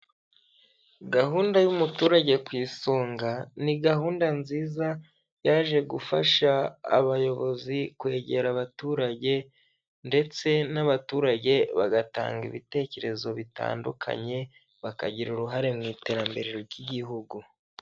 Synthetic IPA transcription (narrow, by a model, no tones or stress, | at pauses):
ɡaɦuːndajumutuːɾaɟe̞kwiːsoːŋɡaniɡahuːndanziːza | jaːʒe̞ɡufa̰ʃa̰ːβajo̞βo̞zikwe̞ːɟe̞ɾaβatuːɾaɟe̞ | nde̞t͡se̞naβatuːɾaɟe̞βaɡata̰ːŋɡiβite̞ːce̞ɾe̞zo̞βita̰ːndukʰa̰ɲe̞ | βaka̰ɟiɾuɾuɦaɾe̞mŋiːte̞ɾambe̞ɾeɾoɾɟiɟiɦuɡu